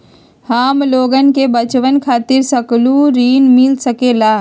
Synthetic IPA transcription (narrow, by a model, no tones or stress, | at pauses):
haːmloːɡənkebət͡ʃʋənkʰaːt̪ɪɾsəkluɾiːnmɪlsəkeːlaː